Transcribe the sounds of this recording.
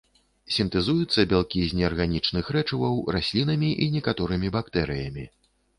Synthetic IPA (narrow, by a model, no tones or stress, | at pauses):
sʲint̪ɨzujut̪sːɐbʲalˠkʲizʲnʲɛɐrɣanʲit͡ʂnɨxɾɛt͡ʂɨvɐwrasʲlʲinɐmʲiʔinʲɛkat̪ɔɾɨmʲibakt̪ɛɾɨjɐmʲi